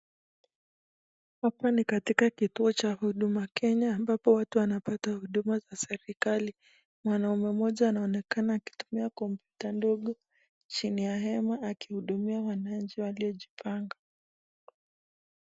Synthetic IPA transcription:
hapanikatikakituɔt͡ʃahuɗumakʰɛɲaːmbapɔwatuwanapatahuɗumazasɛɾikali | mwanaumɛmɔʄaːnaɔnɛkanaːki̥tu̥miakɔmpjutandɔɠɔ | t͡ʃinijaɦɛmaːkihuɗumiawanaɲ̩t͡ʃiwaliɔʄipʰaŋɡa

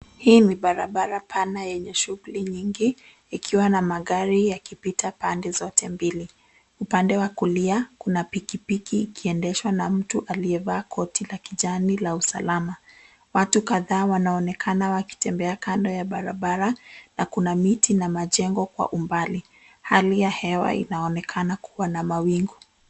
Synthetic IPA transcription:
hiːniɓaɾaɓaɾapʰanajɛɲɛʃuɣuliɲiŋɡiː | kʰiwanamaɠaɾijakipitʰapandɛzɔtʰɛmbili | upandɛwakuliakunapikipikiːkiɛndɛʃwanam̩tuʔaliɛvaːkʰɔtilakiʄanilausa̰lama | watukaðaːwanaɔnɛkʰanawaki̥tɛmbɛakandɔjaɓaɾa̰ɓaɾanakunamitinamaʄɛŋɡɔkwa̰ʔumbali | halijahɛwa̰ḭnaɔnɛkʰanakuwanamawiŋɡu

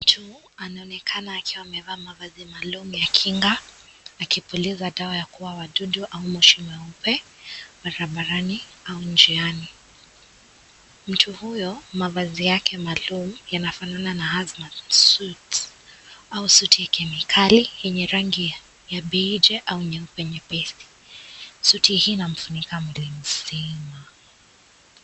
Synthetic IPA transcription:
m̩tʰu | anaɔnɛkʰanaːkiwaːmɛvaːmavazimalumujakʰiŋɡaː | kipulizaɗaajakuwawaɗuɗuʔaumɛʃimɛaupɛ | baɾaɓaɾaniaund͡ʒiani | m̩tʰuhujɔmavazijakʰɛmaːlum̩janafanananahazmatsut | ausutijakʰɛmikʰalijɛɲɛɾaŋɡi | jaɓɛd͡ʒɛʔauɛɲɛupɛɲɛpɛsi̥ | sutʰihiːnam̩funikamilim̩sima

